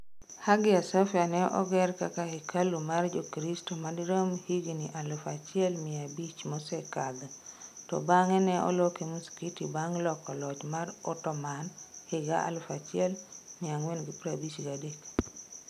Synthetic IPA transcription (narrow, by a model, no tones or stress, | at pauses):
haɡɪasafjanɛʔɔ̰ɡɛrkakaikʰalumard͡ʒokɾistomadɾomhiɡniʔalʊfat͡ʃɪɛlmɪabit͡ʃmɔsɛkad̪ɔtɔ̰baŋɛnɛɔ̰lokemuskitibaŋlɔkɔlɔt͡ʃmaɾɔtɔmanhɪɡa̰a̰lʊfat͡ʃɪɛlmɪaŋwenɡipɾabit͡ʃɡadek